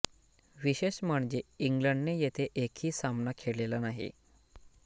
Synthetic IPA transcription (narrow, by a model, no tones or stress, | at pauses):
ʋiɕeɕməɳd͡ʑeiŋɡləɳɖnejet̪ʰeʔekʰiːsamnakʰeɽlelanaɦḭ